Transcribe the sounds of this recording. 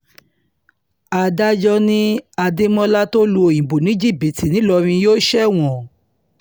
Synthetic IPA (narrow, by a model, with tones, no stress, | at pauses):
a˧da˦d͡ʒɔ˦nĩ˦a˧de˦mɔ̃˦la˦to˦lu˧˦o˨jĩ˨bo˨nĩ˨˦d͡ʒi˦˨bi˨ti˨nĩ˨˦lɔ˧ɾ̃ĩ˧joː˦ʃɛ˦w̃ɔ̃˨